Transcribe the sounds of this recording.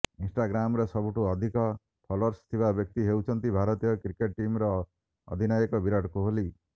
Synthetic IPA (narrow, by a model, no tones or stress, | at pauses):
insʈaɡɾamɾesɔbuʈuɔd̪ʱikɔ | pʰɔlɔɾst̪ʰibabjɔk̚t̪iɦewt͡ʃʰɔnt̪ibʱaɾɔt̪ijɔkɾikeʈ̚ʈimɾɔ | ɔ̰d̪ʱinajɔkɔbiɾɔʈɔkuɦoli